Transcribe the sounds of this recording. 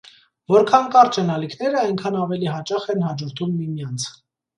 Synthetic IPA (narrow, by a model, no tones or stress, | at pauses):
vɔɾkʰɑnkɑɾt͡ʃʰɛnɑlikʰnɛɾəɑjŋkʰɑnɑvɛliɦɑt͡ʃɑχɛnhɑd͡ʒɔɾt̪ʰumːimjɑnt͡sʰ